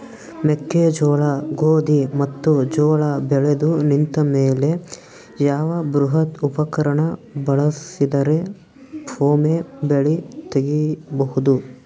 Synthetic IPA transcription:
mekːed͡ʒɔːɭɐɡoːd̪imɐt̪ːud͡ʒɔːɭɐbɛɭed̪unint̪ɐmeːle̞ | jaːʋɐbɾuɦɐt̪upɐkɐɾɐɳɐbɐɭɐsid̪ɐɾe | bʰoːmebeɭit̪eɡibɐɦud̪u

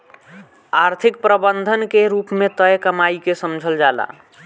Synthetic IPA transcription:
aɾt̪ʰik̚pɾəbənd̪ʱənkeɾupmet̪əjkəmaikesəmd͡ʒʱəld͡ʒala̰

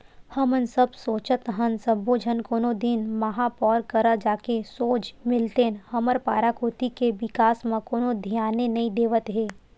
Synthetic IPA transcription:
hɐmənsəbsoːt͡ʃət̪ɦənsəboːd͡ʒʱənkoːnod̪ɪnmɐɦapɔːɾkəɾad͡ʒaːkesoːt͡ʃmɪlt̪enhɐməɾpaːɾakoːt̪ikeʋɪkaːsmãkoːnod̪ʱijaːnenɐid̪eːʋət̪ɦeː

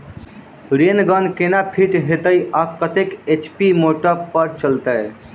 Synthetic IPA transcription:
ɾenɡənkenapʰiʈɦet̪əjakət̪eket͡ʃpimoʈəpəɾt͡ʃəlt̪əj

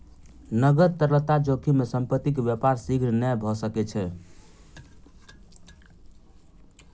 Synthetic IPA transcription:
nəɡəɾt̪əɾələt̪ad͡ʒokʰimesəmpət̪ːikbjəpaɾsiɡʱɾnɛbʱɔsəkɛt͡ʃʰɛ

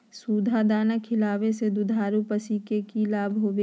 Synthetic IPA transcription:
suːd̪ʱad̪aːnəkʰɪlaːʋesed̪ʊd̪ʱaːɾupəsiːkekilaːbʱɦoːʋe

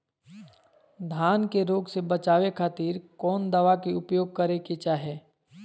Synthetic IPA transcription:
d̪ʱaːnkeɾoːɡsebət͡ʃaːʋekʰaːt̪iːɾkɔːnd̪ɐʋakiʊpjoːɡ̚kəɾeket͡ʃaːɦɛː

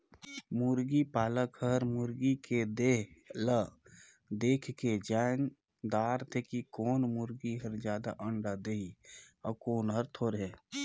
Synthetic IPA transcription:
muɾɡipaːləkhəɾmʊɾɡiked̪eːɦlə | d̪eːkʰked͡ʒaːn | d̪aːɾt̪ʰekikoːnmuɾɡiɦəɾd͡ʒjaːd̪aʔəɳɖad̪eiɔkoːnɦəɾt̪ʰoːɾɦɛː

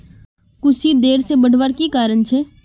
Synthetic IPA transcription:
kʊsid̪eːɾsebəɽ̤ʋaɾkikaːɾənt͡ʃʰe

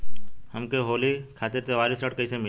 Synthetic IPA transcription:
həmkeɦoːlikʰaːt̪ɪɾt̪eʋaːlisɾəʈkəisemɪ

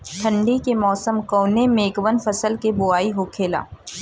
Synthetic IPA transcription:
ʈ̪ʰɐ̃ɳɖikemɔːsəmkoːnemẽːkʋənfɐsəlkebʊaːiɦokʰeːla̰ː

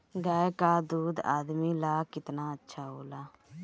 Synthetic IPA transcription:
ɡaːekaːd̪uːd̪a̰ːd̪miːlaːkɪt̪naːətːʃʰaːɦoːlaː

